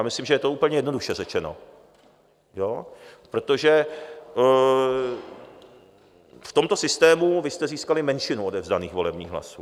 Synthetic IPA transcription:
jaːmɪslimʒɛjɛt̪ouːpl̩ɲɛjɛdno̞duʃɛrɛt͡ʃɛno̞̰ | jopɾo̞t̪o̞ʒɛ | ft̪o̞mt̪osɪst̪ɛːmuvɪst̪ɛziːskalɪmɛnʃɪnuodɛvzdaniːxvo̞lɛbɲiːɣɦla̰suː

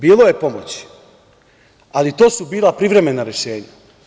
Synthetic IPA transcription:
biːlo̞je̞po̞mo̰t͡ɕ | alit̪o̞ːsubiːlˠapɾiʋɾe̞me̞naɾe̞ʃe̞ːɲa̰

